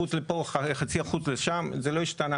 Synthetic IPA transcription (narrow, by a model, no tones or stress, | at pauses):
ut͡slepoχaeχat͡siaχut͡sleʃamzelo̞iʃtana